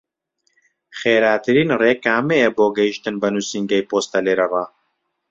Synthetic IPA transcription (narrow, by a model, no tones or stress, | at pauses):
χeːɾaːt̪ɨɾiːnreːkaːmejɐboːɡɐiʃt̪ɨnbɐnusiːŋɡɐjpoːst̪ɐleːɾɐvaː